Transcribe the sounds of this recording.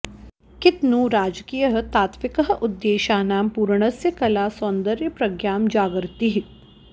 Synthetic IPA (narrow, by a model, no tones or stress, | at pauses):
kɪt̪nũɾaːd͡ʒkijəɦt̪aːt̪ʋɪkəɦʔʊd̪ːeːʃaːnaːmpuːɾɳ̃əsjəkɐlaːsõːnd̪əɾjəpɾɐɡjaːmd͡ʒaːɡəɾt̪iɦ